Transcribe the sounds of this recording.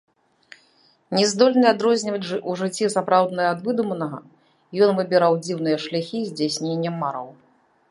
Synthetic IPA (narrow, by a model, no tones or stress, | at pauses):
nʲɛzd̪ɔlʲnɨad̪ɾɔzʲnʲivɐt͡sʲuʐɨt͡sʲːisapɾawd̪nɐjɐad̪vɨd̪umɐnɐɣɐ | jɔnvɨbʲɛɾawd͡zʲiwnɨjɐʂlʲaxʲizʲd͡zʲasʲnʲenʲːɐmːaɾɐ̰w